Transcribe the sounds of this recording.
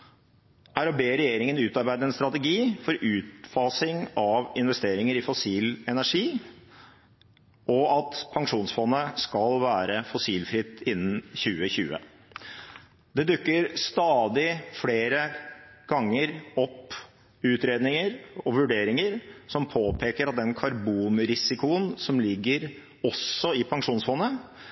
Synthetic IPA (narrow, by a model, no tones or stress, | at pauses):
ʔæɾɔbeːɾɛjeːɾɪŋənʉːt̪ɑɾbæɪd̪əɛnst̪ɾɑt̪əɡiːfɔɾʔʉːt̪fɑːsɪŋɑʋɪnʋɛst̪eːɾɪŋəɾɪfɔsiːlɛnæʂiː | ʔɔɑt̪pʰɑŋʂuːnsfɔnːəskɑlʋæːɾəfɔsiːlfɾɪt̪ːɪnːn̩çʉːəçʉːə̰ | d̪ɛd̪ʉkːəɾst̪ɑːd̪ɪfleːɾəɡ̥ɑŋːəɾɔpː | ʉːt̪ɾeːd̪nɪŋəɾɔʋʉɖeːɾɪŋəɾsɔmpʰoːpʰeːkəɾɑt̪̚d̪ɛnkʰɑɾbuːnɾɪsɪkʊənsɔmlɪɡːəɾ | ɔsɔɪpʰɑŋʂuːnsfɔnːə